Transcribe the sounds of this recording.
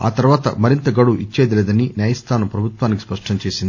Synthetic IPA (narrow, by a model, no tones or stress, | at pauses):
a̰ːt̪ɐɾʋaːt̪ɐ̰mɐɾint̪ɐɡɐɽuʔit͡ʃːeːd̪ɐlɛːd̪ɐninjaːjɐst̪ʰaːnɐmpɾɐbʱut̪ʋaːniki̥spɐʂʈɐmt͡ʃeːsind̪ii